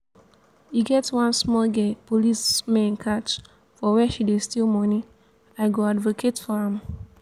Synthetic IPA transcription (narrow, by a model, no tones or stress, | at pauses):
iɡɛtwãnsmɔlɡɛpolismẽnkʰat͡ʃ | fɔwɛʃidestilmɔ̃ni | aɪɡoadvokʰetfɔãm